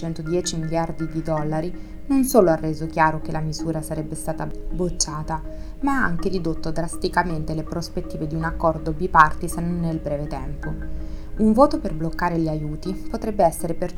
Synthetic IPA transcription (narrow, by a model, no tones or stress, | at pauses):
t͡ʃɛnt̪od̪jɛːt͡ʃimiljard̪id̪id̪ɔlːaɾi | nonsoːloarːeːzok̟jaːɾok̟elamizuːɾasaɾɛbːest̪aːt̪abːot͡ʃːaːt̪a | maaaŋkeɾid̪ot̪ːod̪ɾast̪ikament̪elepɾospet̪ːiːved̪iunakːɔrd̪obipart̪isenːonːelbɾɛːvet̪ɛmpouɱvoːt̪operblokːaːɾeʎiajuːt̪ipot̪ɾɛbːeɛsːeɾeper